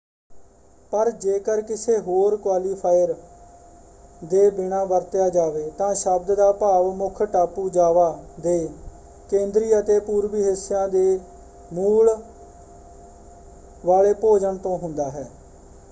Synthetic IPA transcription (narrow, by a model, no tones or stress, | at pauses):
pəɾd͡ʒeːkəɾkɪseːɦoːɾkwaːliːpʰaːɪəɾ | d̪eːbɪnãːʋəɾt̪jaːd͡ʒaːʋeːt̪ãːʃəb̚d̪d̪aːpaːʋmʊkʰʈaːpuːd͡ʒaːʋaːd̪eː | kẽːnd̪ɾiːət̪eːpuːɾʋiːɦɪsjãːd̪eː | muːɭ | ʋaːleːpoːd͡ʒəɳt̪õːɦʊnd̪aːɦɛː